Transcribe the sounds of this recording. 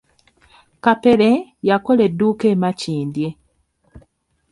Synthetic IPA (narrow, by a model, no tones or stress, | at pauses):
kapelejakoleduːkeːmaciːndje